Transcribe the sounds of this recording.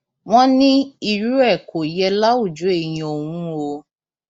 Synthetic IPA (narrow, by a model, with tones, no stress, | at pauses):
w̃ɔ̃˦nĩ˦i˨ɾu˦ɛ˦˨ko˨jɛ˧la˦u˦˨d͡ʒu˨˦e˦˨j̃ĩ˦o˨wũ˦o˧